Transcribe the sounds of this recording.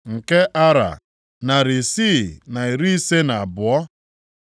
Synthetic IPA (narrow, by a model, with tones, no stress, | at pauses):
ŋ̩˨ke˦ʔa˦ɾa̰˨ | na˨ɾɪ˨siː˦˨na˨i˨ɾi˦i˦se˦na˨a˨bʊ˨ɔ˦